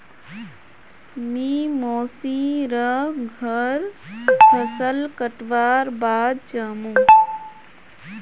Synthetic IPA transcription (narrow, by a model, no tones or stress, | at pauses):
mimoːsiɾəɡʱəɾpʰəsəlkəʈʋaːɾbaːd̪̚t͡ʃaːmũː